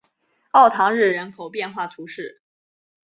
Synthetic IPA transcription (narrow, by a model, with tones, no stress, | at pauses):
ɑ˥˩ʊt̪ʰɑ˧˥ŋɻɻ̩˥˩ɻə˧˥nkʰo˨˩ʊpjɛ˥˧nxwa˥˩t̪ʰu˧˥ʂɻ̩˥˩